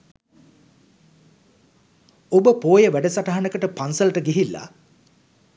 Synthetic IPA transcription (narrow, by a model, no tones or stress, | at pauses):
obəpoːjəʋæɖəsaʈaɦanəkəʈəpansəlʈəɡiɦilːa̰